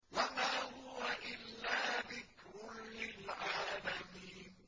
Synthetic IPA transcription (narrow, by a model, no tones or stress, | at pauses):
wamaːhʊwaʔɪlːaːðɪkɾʊnlɪlʕaːlamiːn